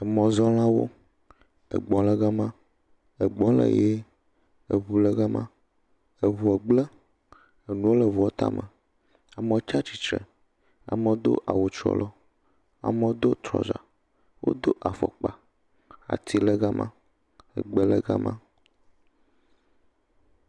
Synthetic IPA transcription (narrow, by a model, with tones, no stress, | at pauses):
ɛ˨mɔ̃˨zɔ˦l̃ã˦wo̰˦ | ə̰˨ɡ͡bɔ̃˨lɛ˦ɣa˦mã˦ | ɛ˨ɡ͡bɔ̃˦lə̰˨je˦ | e˨βu˨lə˦ɡa˦mã˦ | e˨βu˨ɛ˨ɡ͡blɛ˦ | e˨nũ˦wo˦lə˨vu˨o˦t̪a̰˦mə˨ | a˨me˨o˦t͡ʃa˦t͡ʃi̥˨t͡ʃɾɛ̰˨ | a̰˨mə˨wo˦d̪o̰˦ʔa˨wo˨t͡ʃɾɔ̰˦lɔ˦ | a̰˨mə˦wo˦d̪o˦t̪ɾɔ̰˨za̰˨ | wo̰˦d̪o˦ʔa˨fɔ̰˨k͡pa˨ | a̰˨t̪i˦lə˦ɡa˦mʔã̰˦ | ə̰˨ɡ͡bə˦lə˦ɡa˦mʔã˦